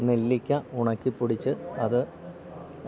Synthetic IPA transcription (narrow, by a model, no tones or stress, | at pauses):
ne̞lːikʲːɐuɳɐkʲːipːuɽit͡ɕːɨɐðɨ